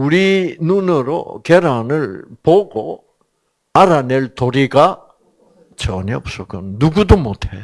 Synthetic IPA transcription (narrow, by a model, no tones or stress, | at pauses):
uɾinunɯɾo̰keɾanɯɭpoɡo | aɾaneɭtoɾiɡa | t͡ɕʌɲep̚s͈ʌkɯnnuɡudomotʰe